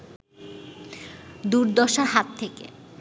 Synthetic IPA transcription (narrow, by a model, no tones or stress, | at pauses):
d̪uɾd̪ɔʃaɾɦat̪ʰːekḛ